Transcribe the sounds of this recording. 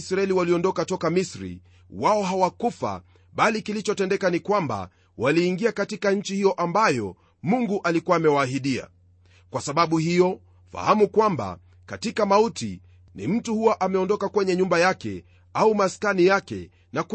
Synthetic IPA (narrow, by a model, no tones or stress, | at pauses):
sɾaɛliwaliɔndɔkatɔkamisɾḭ | waɔɦawakufa̰ | ɓalikilit͡ʃɔtɛndɛkanikwamba̰ | waliːŋɡiakatikaɲ̩t͡ʃihijɔʔambajɔ | muŋɡuʔalikuwaːmɛwaːɦiɗia̰ | kwasaɓaɓuhijɔ | fa̰hamukwamba̰ | katikamautḭ | nḭm̩tuhuwaʔamɛɔndɔkakwɛɲɛɲumbajakɛ̰ | aumaskanijakɛ̰ | nak